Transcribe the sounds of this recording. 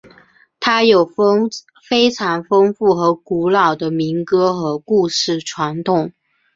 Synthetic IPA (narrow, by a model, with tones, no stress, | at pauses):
t̪ʰa˥jo˨˩ʊ˥ | fe˥ɪʈ͡ʂʰɑ˧˥ŋfɤ˥ŋfu˥˩xɤ˧˥ku˧˥lɑ˨˩ʊd̪ə˦mi˧˥ŋkɤ˥xɤ˧˥ku˥˧ʂɻ̩˥˩ʈ͡ʂʰwa˧˥nt̪ʰʊ˨˩˦ŋ